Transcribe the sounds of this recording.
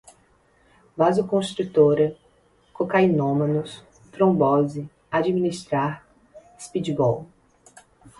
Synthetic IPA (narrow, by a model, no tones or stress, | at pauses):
vazʊkõst̪ɾut̪oɾɐ | kokajnõmɐ̃nʊs | t̪ɾõbɔzɪ | ad͡ʒiminist̪ɾaɾ | ispid͡ʒibɔw